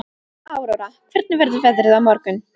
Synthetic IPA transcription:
aːwɾowɾakʰvɪɾt̪̚nɪvɛɾðʏvɛðɾɪðawmɔɾkʏn

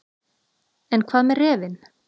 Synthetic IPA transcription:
ɛnkʰvaːðmɛɾrːɛːvɪn

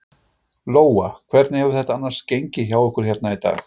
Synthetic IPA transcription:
loːwakʰvɛɾt̪nɪhɛvʏɾθɛht̪aanːaɾ̥scejɲcɪçaːwɛhkʏɾ̥çjɛɾt̪nait̪a̰ːx

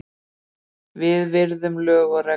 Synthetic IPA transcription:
vɪðvɪɾðʏmlœːɣarɛ

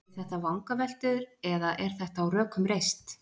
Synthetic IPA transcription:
θɛht̪avawŋkavɛl̥t̪ʏðɾɛðaʔɛɾ̥θɛht̪aːwrœːkʰʏmrejst̪

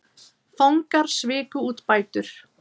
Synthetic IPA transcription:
fawŋkaɾ̥svɪːkʏuːt̪paːjt̪ʏɾ̥

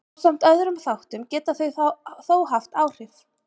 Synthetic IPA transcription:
sam̥t̪œðɾʏmθawht̪ʏmcɛːt̪aθœɥθoːwɦaft̪aːwr̥ɪf

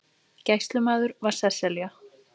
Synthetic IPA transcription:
cajhst̪lʏmaːðʏɾvaɾ̥sɛsɛlja

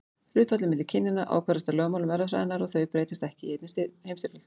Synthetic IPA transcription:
ɾ̥ʏːt̪vat̪lɪmɛt̪̬ːɪɾ̥cʰɪnːɪnːaʔa̰wkʰaɾɪst̪alœːɣmawlʏmvɛɾːafɾa̰ðɪnaɾɔɣθœɥjpɾeːjt̪ɪst̪ɛhcɪiejt̪nɪst̪ɪhejmt̪ɪɾœl

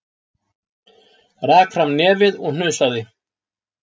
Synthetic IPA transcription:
raːkfɾamnɛːvɪðɔɣn̥ʏðsaðɪ

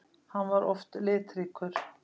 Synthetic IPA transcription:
hanːvaɾɔft̪lɪːt̪ɾiːkʰʏɾ̥

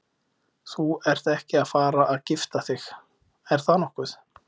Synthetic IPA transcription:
θuɛɾ̥θɛhcɪaðfaːɾaʔːðcɪft̪aθɪx | ɛɾ̥θaðnɔhkʏð̥

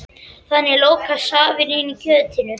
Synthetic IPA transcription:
θanːɪloːwkasaːvɪɾɪnicʰœːt̪ɪnʏ

